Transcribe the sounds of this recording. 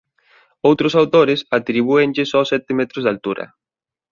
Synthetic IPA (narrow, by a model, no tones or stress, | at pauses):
owt̪ɾʊsawt̪oɾɪsat̪ɾiβ̞uend͡ʒɪsɔsɛt̪ɪmɛt̪ɾozðalt̪uɾɐ̰